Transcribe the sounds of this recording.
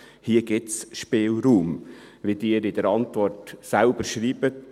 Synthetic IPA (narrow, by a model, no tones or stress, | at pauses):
hiəɡɪtsʃpeːlɾuːmʋid̥̪ɪːɾɪd̪əɾɑnt̪vɔrtsælb̥əɾʃɾiːb̥ət